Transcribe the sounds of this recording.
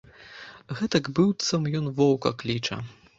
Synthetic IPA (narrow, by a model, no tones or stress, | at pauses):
ɣɛt̪ɐɡbɨwt̪sɐmjɔnvɔwkɐklʲit͡ʂɐ̰